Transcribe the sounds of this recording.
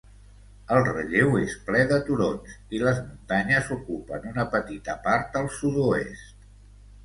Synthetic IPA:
əlˠrəʎewesplɛðət̪uɾonsiləzmunt̪aɲəzukupə̰nunəpət̪it̪əpaɾt̪əlˠsuðuḛst̪

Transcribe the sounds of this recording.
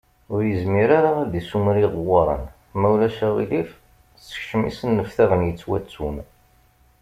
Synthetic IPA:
ʊɾjəzmiɾaɾaæðisumɾiʁəwəɾˤə̰n | mæwlæʃæwḭlif | sə̥çʃmḭsənːəfθævənjət͡sːwæt͡sːun

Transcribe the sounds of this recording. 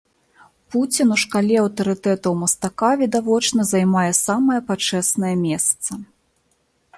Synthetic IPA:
put͡sʲinuʂkalʲɛɐwt̪ɐɾɨt̪ɛt̪ɐwmɐst̪akavʲid̪avɔt͡ʂnɐzajmajɛsamɐjɛpat͡ʂɛsnɐjɐmʲɛst̪sɐ

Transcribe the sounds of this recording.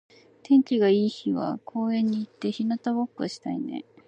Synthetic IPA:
t̪ẽ̞ɲ̟t͡ɕiɡaiːçiβa̰kʰo̞ːẽ̞ɲ̟ːiːt̪ːe̞çinat̪aβokːɯa̰ɕi̥t̪aine̞̰

